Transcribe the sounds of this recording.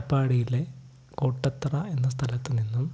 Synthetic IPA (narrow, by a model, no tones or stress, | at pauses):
pːaːɽijile | koːʈːɐt̪ːrɐe̞nːɐst̪ʰɐlɐt̪ːɨninːum